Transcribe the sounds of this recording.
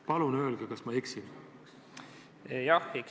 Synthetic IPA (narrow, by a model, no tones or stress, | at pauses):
pɑlunø̞ːlɡ̥ekɑsmɑeksin | jɑhik